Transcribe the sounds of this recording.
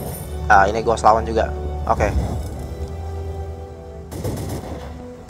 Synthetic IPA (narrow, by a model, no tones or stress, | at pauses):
ainiɡuaslawand͡ʒuɡa̰ʔo̰ke